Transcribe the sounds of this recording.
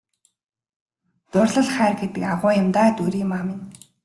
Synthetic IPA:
t̪ʊrɮə̆ɮχæːrɡet̪ɘ̆kaʁʊːjə̆mt̪aːt̪uɾiːmamɪn

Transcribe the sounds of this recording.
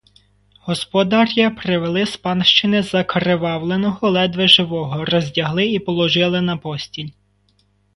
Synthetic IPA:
ɦɔspɔd̪ɑɾʲjɐpɾɪʋelˠɪspɑnʃt͡ʃɪnɪzɐkɾeʋɑwlˠenɔɦɔlˠɛd̪ʋɪʒɪʋɔɦɔrɔzʲdʲɐɦlˠɪipɔlˠɔʒɪlˠɪnɐpɔsʲtʲilʲ

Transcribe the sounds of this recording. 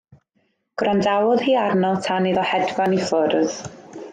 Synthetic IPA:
ɡ̥rɔndawʊðhiːarnɔlˠtʰaniðɔhɛdvanifʊrð

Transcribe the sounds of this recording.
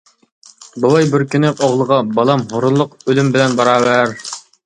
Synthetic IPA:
bulˠɑjbɪɾkʲynɪʔoʁlˠəʁɑbɑlˠɑmɦoɾunlˠʊqølymbɪlɛnbɑɾɑːwæɾ

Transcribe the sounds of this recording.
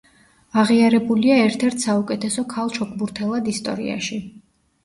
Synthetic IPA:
aʁiaɾɛbuliaɛɾt̪ʰɛɾt̪ʰsaukʼɛt̪ʰɛsɔkʰalˠt͡ʃʰɔkʰʼbuɾt̪ʰɛlˠad̪ist̪ʼɔ̰ɾḭa̰ʃi

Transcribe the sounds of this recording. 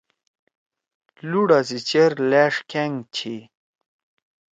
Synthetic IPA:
luɽazit͡ɕeɾlæʂkeŋt͡ɕʰi

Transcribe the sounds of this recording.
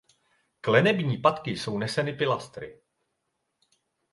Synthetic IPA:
klɛnɛbɲiːpat̪kɪso̞wnɛsɛnɪpɪlast̪ɾɪ̰

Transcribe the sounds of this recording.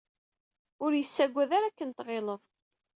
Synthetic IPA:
ʊɾjəsːæɡʷːæðaɾakːənt̪ʁeləðˤ

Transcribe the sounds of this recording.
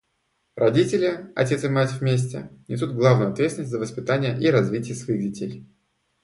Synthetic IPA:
rɐdʲitʲɪlʲɪɐ̰tʲe̞t̪sɨmatʲvʲmʲes̬ʲtʲɪ̰nʲʔɪs̬ud̪̚ɡlˠavnjʊɐt̪vʲesʲɪnəsʲt̪ʲzəvəspʲɪt̪anʲɪjəʔiɾɐzvʲitʲɪjəsvɐixdʲɪtʲej

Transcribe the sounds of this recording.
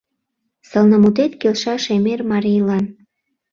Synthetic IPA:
səlnəmut̪̬et̪kelʃɑʃemermɑɾijlɑn

